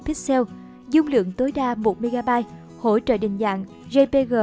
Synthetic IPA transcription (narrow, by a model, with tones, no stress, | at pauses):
pʰi˦˥t̚sɛ˧w | zʊ˧ŋ͡mlɨ̰˧˨əŋt̪o˨˦jɗaː˧mo˨˩t̚mi˧ɣaː˧ɓaː˧j | ho̰˧˩˨t͡ɕə̰ː˧˨ɗï˨˩ŋ̟za̰ː˧˨ŋ | zə˧jpe˧ɣəː˨˩